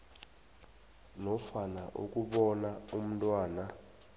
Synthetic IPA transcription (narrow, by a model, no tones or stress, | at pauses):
nɔfanaʔṵkʼuɓɔnaum̩tʼwaːna